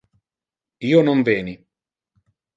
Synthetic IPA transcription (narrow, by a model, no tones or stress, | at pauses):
iːonoɱvɛːni